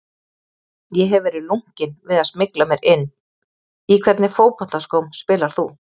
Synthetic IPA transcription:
jɛɦɛvɛːɾɪðluŋ̥cɪnvɪðaðsmɪklamjɛɾɪnː | ikʰvɛɾt̪nɪfoːwpɔht̪askɔwmspɪːlaɾ̥θu

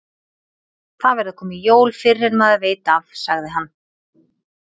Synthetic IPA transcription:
θaðvɛɾðʏkʰɔːmɪjoːwlfɪ̥ɛnmaðaveːjt̪aːfsaɣðɪɦanː

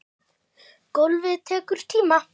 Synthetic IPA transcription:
kowlvɪðt̪ʰɛːkʏɾ̥t̪ʰiːma

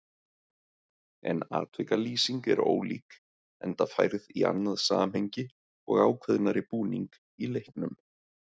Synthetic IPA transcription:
ɛ̰naːt̪vejkaliːsiŋkɛɾo̰ːwlḭːk | ɛnt̪afajɾðia̰nːaðsaːmhejɲcɪ | ɔɣaːwkʰvɛðnaɾɪpuːniŋk | ilejhknʏm

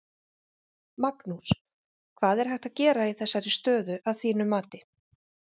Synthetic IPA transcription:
maknuɾ̥ | kʰvaːðɛɾ̥hɛht̪aðcɛːɾaiθɛsːaɾɪst̪œːðʏʔaðθiːnʏmːaːt̪ɪ

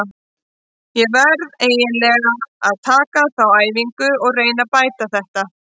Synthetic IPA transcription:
jɛvɛɾðeːjɪnlɛːɣaaðt̪ʰaːkaθawaːjviŋkʏɔɣreːjnapaːjt̪aθɛht̪a

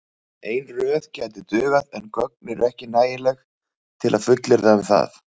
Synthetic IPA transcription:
eːjnrœːðcajt̪̬ɪt̪ʏːɣaðɛnkœk̚nɪɾɛhcɪnaːjɪlɛx | t̪ʰɪlʔaðfʏt̪lɪɾðaʏmθa̰θ

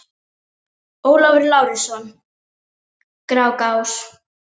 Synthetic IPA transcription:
oːwlavɾlaːwɾɪsɔn | kɾaːwkaws

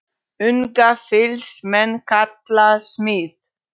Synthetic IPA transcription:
ʏŋkafɪlsmɛnːkʰat̪lasmiːð

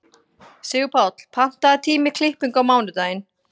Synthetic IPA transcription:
sɪːɣʏpʰat̪l̥pʰan̥t̪aːt̪ʰiːmɪkʰlɪhpʏŋkawmaːwnʏt̪aːjɪn

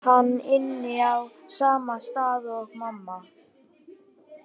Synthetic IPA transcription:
hanːɪnːɪawsaːmast̪aːðɔɣmamːa

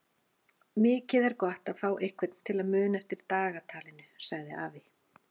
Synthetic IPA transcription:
mɪːcɪðɛɾkɔht̪aðfaːwʔɪhkvɪt̪n̥t̪ʰɪlaðmʏːnaɛft̪ɪɾ̥t̪aːɣat̪ʰaːlɪnʏsaɣðɪ̰aːvɪ

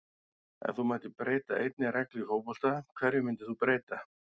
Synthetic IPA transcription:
ɛ̰nθumaːt̪ɪpɾeːjt̪a̰ʔejt̪nɪrɛklihowpɔl̥t̪akʰvɛɾjɪmɪnt̪ɪθupɾeːjt̪a

